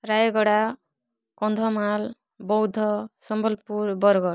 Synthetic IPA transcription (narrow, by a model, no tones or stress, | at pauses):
ɾajɡɔɽa | kɔnd̪ʱɔmal | bɔwd̪ʱɔsɔmbɔlpuɾbɔɾɡɔɽ